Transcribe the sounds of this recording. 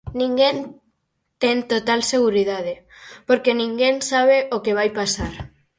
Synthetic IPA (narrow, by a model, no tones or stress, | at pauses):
nĩŋɡen | t̪ɛŋt̪ot̪alseɣ̞uɾiðað̞epoɾkenĩŋɡensaβ̞eʔokeβ̞ajpasaɾ